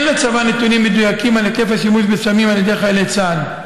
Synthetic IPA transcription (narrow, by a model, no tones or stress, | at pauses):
nlat͡savanet̪unimːed̪ujakimalekefhaʃimuʃbesamimaljed̪eχaelet͡san